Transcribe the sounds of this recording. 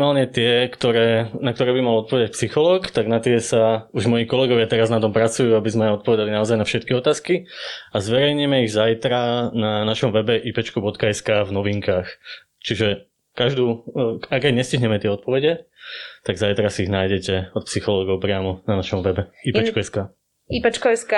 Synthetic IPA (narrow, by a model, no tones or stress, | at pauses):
maːlɲɛt̪ɪɛkt̪ɔɾɛːnak̚t̪ɔɾɛːbimalɔt̪pɔʋɛd̪ac̚psixɔlɔːkt̪aɡnat̪ɪɛsauʒmɔjiːkɔlɛɡɔʋɪat̪ɛɾaznat̪ɔmpɾat͡sujuːabizmɛɔt̪̚pɔʋɛd̪alinaɔzajnafʃɛt̪kiɔt̪aːskiazʋɛɾɛjɲimɛiɣzajt̪ɾananaʃɔmʋɛbɛʔiːpɛt͡ʃkubɔt̪kaɛskaːvnɔʋiŋkaːx | t͡ʃiʒɛ | kaʒd̪uːakːɛɟɲɛsciɦɲɛmɛt̪ɪɛɔt̪̚pɔʋɛɟɛt̪aɡzajt̪ɾasiiɣnaːjɟɛcɛɔt̪̚psixɔlɔːɡɔʊpɾɪamɔnanaʃɔmʋɛbɛiːpɛt͡ʃkuɛskaː | ipɛt͡ʃkɔɛska